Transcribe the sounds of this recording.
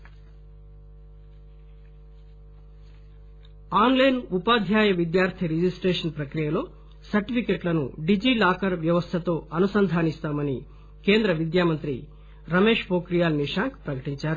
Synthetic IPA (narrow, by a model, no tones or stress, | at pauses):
aːnlɐjnupaːd̪ʱjaːjɐʋid̪jaːɾt̪ʰiɾid͡ʒisʈɾeːʂɐnpɾɐkɾijɐlo̞ː | sɐɾʈipʰikeʈlɐnṵɖid͡ʒiːlaːkɐɾʋjɐʋɐst̪ʰɐt̪o̞ːɐnusɐnd̪ʱaːnist̪aːmɐni | ke̞ːnd̪ɾɐʋid̪jaːmɐnt̪ɾi | ɾɐmeːʂpoːkɾijaːlniʂaːŋkpɾɐkɐʈiɲt͡ʃaːɾu